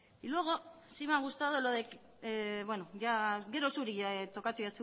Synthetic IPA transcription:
ilueɣo̞ | simaɣust̪aðoloðek | βwenoʝaɡe̞ɾosuɾiat̪o̞kat̪ujat͡su

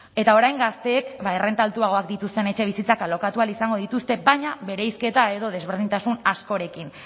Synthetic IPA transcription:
e̞t̪aoɾajŋɡast̪e̞ːkbaere̞nt̪alt̪uaɣ̞o̞akd̪it̪ust̪ene̞t͡ʃe̞β̞isit͡sakalo̞kat̪ualisaŋɡo̞ð̞it̪ust̪e̞bajɲaβe̞ɾejske̞t̪ae̞ðo̞ðe̞zβ̞e̞ɾð̞int̪asunasko̞ɾe̞kin

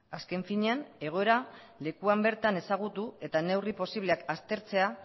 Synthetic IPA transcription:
aske̞ɱfiɲeane̞ɣ̞o̞e̞ɾa | le̞kuambe̞ɾt̪ane̞saɣ̞ut̪ue̞t̪ane̞wripo̞siβ̞le̞akast̪e̞ɾt͡se̞a

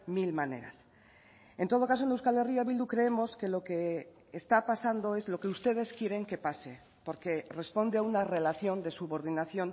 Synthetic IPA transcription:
milmane̞̰ɾa̰s | e̞nt̪o̞ð̞o̞kaso̞enewskalerioaβild̪ukɾe̞emo̞ske̞lo̞ke̞ː | st̪apasand̪o̞e̞zlo̞ke̞ust̪e̞ð̞e̞skje̞ɾe̞ŋke̞pase̞ | po̞ɾke̞re̞spo̞nd̪e̞aunare̞laθjo̞nd̪e̞suβo̞ɾð̞inaθjo̞n

